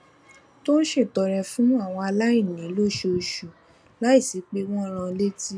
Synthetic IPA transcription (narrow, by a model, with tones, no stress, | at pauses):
to˦n̩˦ʃe˦˨tɔ˨ɾɛ˧fũ˦a˦˨w̃ɔ̃˧a˧la˦ĩ˦˨nĩ˨˦lo˦˨ʃe˧o˧ʃu˨ | la˨˦i˦˨si˨˦k͡pe˦w̃ɔ̃˦˧ɾ̃ã˧le˦ti˦